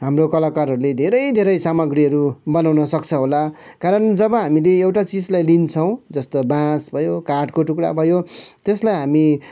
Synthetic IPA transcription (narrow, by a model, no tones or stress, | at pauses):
ɦamrokʌlakaɾɦʌɾuled̪ʱeɾʌjd̪ʱeɾʌjsamʌɡriɦʌɾubʌnawnʌsʌkt͡sʰʌɦola | kaɾʌnd͡zʌbʌɦamileewʈat͡sid͡zlajlint͡sʰʌw̃d͡zʌst̪obãsbʱʌjokaʈkoʈukɽa̰bʱʌjot̪eslajɦami